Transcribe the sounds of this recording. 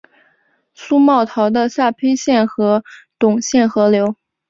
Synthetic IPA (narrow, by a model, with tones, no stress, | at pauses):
su˥mɑ˥˩ʊt̪ʰɑ˧˥ʊd̪ə˧sa˥˩pʰe˥ɪɕjɛ˥˩nxɤ˧˥t̪ʊ˨˩ŋɕjɛ˥˩nxɤ˧˥ljo˧˥ʊ